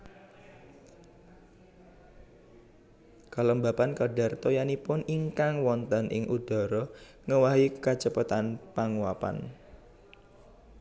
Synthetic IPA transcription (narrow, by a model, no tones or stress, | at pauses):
kaləmbapankaɖa̤rt̪ojanipʊniŋkaŋwɔnt̪ənʔɪ̰ŋʔud̥ɔ̤ɾɔ | ŋəwaɦikat͡ʃəpət̪anpaŋuapa̰n